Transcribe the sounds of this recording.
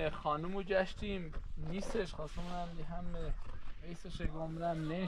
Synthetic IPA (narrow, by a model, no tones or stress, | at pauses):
xɒːnumod͡ʒæʃt̪ʰimniːst̪eʃχɒːsemnæmiɦæmeiːseʃeɡomɾæmne